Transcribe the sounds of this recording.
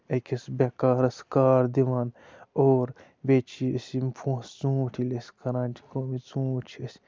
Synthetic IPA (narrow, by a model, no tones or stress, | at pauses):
ekʲʰɐsbʲekaːɾɐskaːɾd̪iʋaːn | oːɾ | beːt͡ʃʰiɐsipʰõːst͡sũːʈʰilesʲkɐɾãːnt͡ʃʰi̥koːmit͡sũːt͡ʃʰiɐs